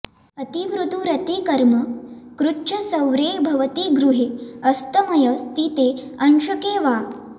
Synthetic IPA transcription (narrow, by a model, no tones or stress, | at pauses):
ɐt̪iʋɾut̪uɾɐt̪ikɐɾmɐkɾut͡ʃɐsɐwɾeːbʱɐʋɐt̪iɡɾuɦeːɐst̪ɐmɐjɐst̪it̪eː | ɐnʃɐkeːʋaː